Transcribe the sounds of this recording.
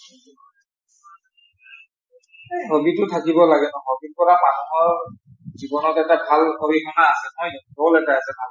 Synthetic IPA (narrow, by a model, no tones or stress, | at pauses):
ɦobitʊtʰakibɔlaɡɛnɔɦobipɔɹamanɔmɔɹ | zibɔnɔtɛtabʱalkoɹikʰɔnaːsɛmɔjɔtɔlɛkaasɛbal